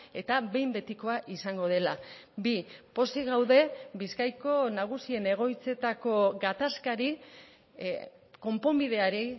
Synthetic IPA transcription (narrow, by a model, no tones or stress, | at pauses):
e̞t̪aβe̞jmbe̞t̪iko̞aʔisaŋɡo̞ð̞e̞labipo̞siɣawðe̞biskajko̞naɣ̞usie̞ne̞ɣ̞o̞jt͡se̞t̪ako̞ɡat̪askaɾi | ko̞mpo̞mbiðe̞aɾi